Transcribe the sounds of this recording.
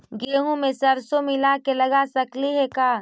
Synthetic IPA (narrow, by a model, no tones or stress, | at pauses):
ɡeːɦũmẽsɐɾsomɪlakelɐɡasɐkliɦɛkaː